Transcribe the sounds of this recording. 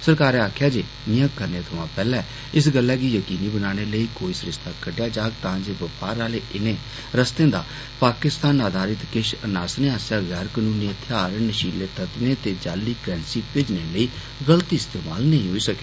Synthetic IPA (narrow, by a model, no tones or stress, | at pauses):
səɾkaːɾeaːkʰjaːd͡ʒeː | mɪ̃jãːkəɾnẽːt̪ʰəʋãːpɛːlɛ̃ː | ɪs̬ɡəlːɛːɡiːjəkiːniːbənaːɽ̃eːləiːkoːiːsəɾɪʃt̪aːkəɖjaːd͡ʒaːɡ̚t̪ãːd͡ʒeːʋəpaːɾaːleːʔɪnẽː | ɾəst̪ẽːd̪aː | paːkɪst̪aːnaːd̪ʱaːɾɪt̪kɪʃənaːsnẽːaːsjaːɣɛːɾkənuːniːət̪ʰɪaːɾnəʃiːleːt̪ət̪ʋẽːt̪eːd͡ʒaːlːiːkɾɛ̃ːnsiːpɪd͡ʒneːləiː | ɡəlt̪iːɪst̪eːmaːlnəĩːɦoːiːsəke̥ː